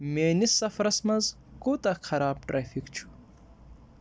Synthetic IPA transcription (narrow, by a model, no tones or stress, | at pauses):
meːnisːɐfɾɐsmɐz | kut̪ɐxʰɐɾaːb̚ʈɾaːfikt͡ʃʰu̥